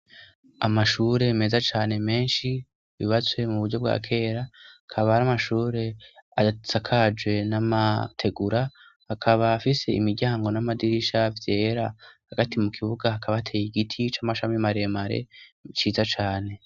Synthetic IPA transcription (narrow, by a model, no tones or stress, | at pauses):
amaʃuːɾe̞me̞ːzat͡ʃaːne̞me̞ːnʃi | βḭβat͡swe̞muβuɾɟo̞b̚ɡa̰ːkʰe̞ːɾaakʰaβaɾamaʃuːɾe̞asakʰad͡ʒwe̞namatʰe̞ɡuɾa | hakʰaβaːfise̞ḭmiɾɟaːŋɡo̞namadiɾiʃavje̞ːɾahaɡatimukʰiβuɡahakʰaβaatʰeːjiɡitʰit͡ʃamaʃamimaɾemaɾe̞̰t͡ʃiːzat͡ʃaːne̞